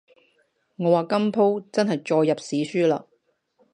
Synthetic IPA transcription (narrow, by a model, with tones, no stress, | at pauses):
ŋɔː˨˧waː˨kɐ˥mpʰo˥wt͡sɐ˥nɦɐ˨jt͡ʃɔː˧jːɐ˨p̚siː˨˥syː˥la̰ː˧